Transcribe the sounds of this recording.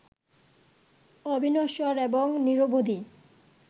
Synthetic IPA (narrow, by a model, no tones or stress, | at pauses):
ɔbʱinoʃɔɾeboŋniɾobod̪i